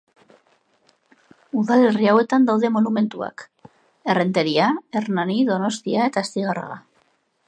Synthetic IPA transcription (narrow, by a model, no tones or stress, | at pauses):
uðale̞riawe̞t̪and̪awðe̞mo̞nume̞nt̪ua̰k | e̞re̞nt̪e̞ɾiae̞rnaniðo̞no̞st̪iae̞t̪aest̪iɣara̰ɣa̰